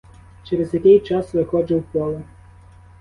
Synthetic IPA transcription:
t͡ʃɛɾezjɐkʲɪjt͡ʃɑsʋɪxɔd͡ʒɪwpɔlˠɐ

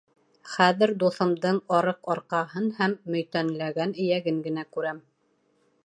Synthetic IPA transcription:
χæðɘ̆ɾd̪uθɤ̆md̪ɤɴɒɾɤqɑɾqɑɦɤnhæmːɵ̆jt̪ænlæɡænɘ̆jæɡɘŋɡɘ̆nækʉɾæm

